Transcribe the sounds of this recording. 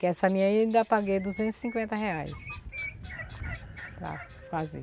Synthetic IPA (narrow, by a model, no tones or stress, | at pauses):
kɪɛsɐmĩɲɐĩd̪ɐpaɡejd̪uzẽnt̪ʊzi̥sĩŋkwẽnt̪ɐheajs | pɾɐ̰ | fazḛ